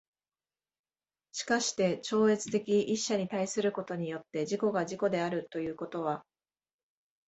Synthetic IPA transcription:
ɕi̥kaɕi̥t̪e̞t͡ɕo̞ːe̞t͡sɨ̥t̪e̞kʲiiɕːaɲ̟it̪aisɨɾɯ̟ko̞t̪o̞ɲ̟ijo̞t̪ːe̞ʑiko̞ɡaʑiko̞d̪e̞aɾɯ̟t̪o̞jɯ̟ːko̞t̪o̞β̞a

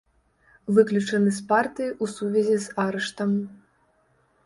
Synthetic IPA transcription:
vɨklʲut͡ʂɐnɨspart̪ɨjiʔusuvʲɛzʲizaɾɐʂt̪ɐm

